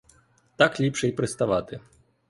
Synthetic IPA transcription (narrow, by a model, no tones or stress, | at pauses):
t̪aklʲipʂɛjpɾɨst̪aʋat̪ɨ